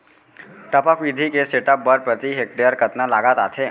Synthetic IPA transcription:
ʈ̪əpakʋid̪ʱikeseʈap̚bəɾpɾət̪iɦek̚d̪əjaɾkət̪nalaɡat̪at̪ʰe

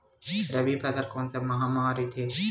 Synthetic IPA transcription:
ɾɐbipɐd̪ɐɾkoːnsɐmɐɦaːmaːɾit̪ʰe

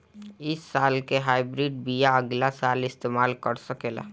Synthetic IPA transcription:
ɪsːaːlkeɦaːɪbɾiːɖbijaəɡlasaːlɪst̪eːmaːlkəɾsəkeːla̰ː

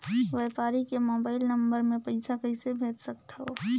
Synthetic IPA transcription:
ʋeːpaːɾikemoːbaːɪlnə̃mbəɾmẽpɐɪsakəɪsebʱeːt̪səkt̪ɦoː

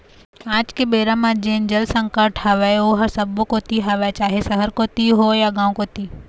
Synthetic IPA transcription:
aːd͡ʒkebeːɾãmãd͡ʒẽːnd͡ʒəlsə̃ŋkəɾʈhɐʋajoɦɐɾsɐbokoːt̪iɦɐʋat͡ʃaːɦesɐɦəɾkoːt̪iɦojaɡãːw̃koːt̪iː

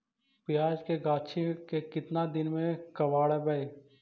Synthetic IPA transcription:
pjaːd͡ʒkeɡaːt͡ʃʰikekɪt̪nad̪ɪnmẽkɐʋaːɽɛbɐe

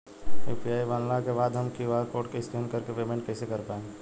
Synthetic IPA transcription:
epʰiaːibaːnlakebaːd̪ɦəmkiʋaɾkoːʈkeɪskenkəɾkepemẽɳʈ̚kɛːsekəɾpaːẽ

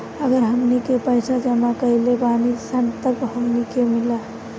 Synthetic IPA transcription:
əɡəɾɦəmnikepəjsad͡ʒəmakəilebanisənt̪əkɦəmnikemila

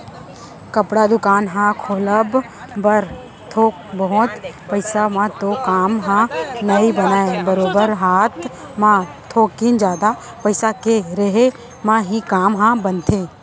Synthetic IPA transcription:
kɐpɽad̪ʊkaːnɦãkʰoːləb | bəɾ | t̪ʰoːk̚bəɦɔ̃t̪pɐɪsamãt̪okaːmɦãnɐibɐnaːebɐɾoːbəɾɦaːt̪ʰ | mãt̪ʰːoːkːind͡ʒaːd̪a | pɐɪsakeɾɐɦe | mãɦĩkaːmɦãbɐnt̪ʰẽː

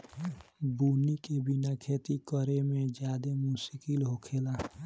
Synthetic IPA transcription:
buːnikebinakʰeːt̪ikəɾemẽd͡ʒjaːd̪emusikilɦokʰeːla

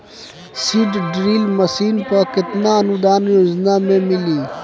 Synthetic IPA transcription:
siːɖɖɾiːlməsiːnpəɾkɪt̪naənʊd̪aːnjoːd͡ʒnamẽmɪliː

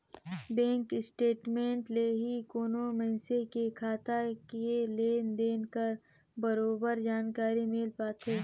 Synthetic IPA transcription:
bɛ̃ːŋkɪsʈeːʈmẽːɳʈleɦikoːnomɐɪsekekʰaːt̪akeleːnd̪eːnkəɾ | bɐɾoːbəɾd͡ʒaːnkaːɾimɪlpaːt̪ʰeː

